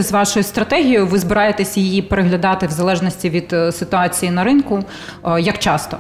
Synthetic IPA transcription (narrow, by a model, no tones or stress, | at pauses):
zʋɑʃʊjʊst̪ɾɐt̪ɛɦʲijʊʋɪzbɪɾɑjet̪ɛsʲjɪjipeɾeɦlʲɐd̪ɑt̪ɪwzɐlˠɛʒnɔsʲtʲiʋʲid̪̥sɪt̪ʊɑt͡sʲijinɐɾɪnkʊ | jɐkt͡ʃɑst̪ɔ